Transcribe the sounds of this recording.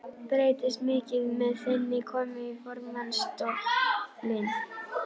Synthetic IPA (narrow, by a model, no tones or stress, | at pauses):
pɾeːjt̪ɪst̪mɪːcɪðmɛðθɪnːɪkʰɔːmɪifɔɾmanst̪oklɪn